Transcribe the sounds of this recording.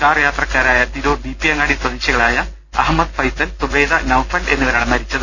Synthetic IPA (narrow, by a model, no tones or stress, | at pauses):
kaːrjaːt̪rɐkːaːɾaːjɐt̪iɾoːd̪ipːijɐŋːaːɽisɐðiɕɐɣɐɭaːjɐ | ɐɦmːɐd̪fɐjsɐlsuʋe̞ːd̪ɐnɐwfɐɳɖe̞̰nːuʋɐɾaːɳemɐɾit͡ɕːɐðɨ